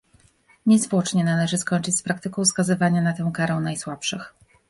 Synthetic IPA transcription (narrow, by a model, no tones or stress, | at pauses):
ɲɛzvwɔt͡ʂɲɛnalɛʐɘskɔɲt͡ʂɘt͡ɕʲspɾak̚t̪ɘkɔ̃w̃fskazɘvaɲanat̪ɛw̃kaɾɛ̃w̃najswapʂɘx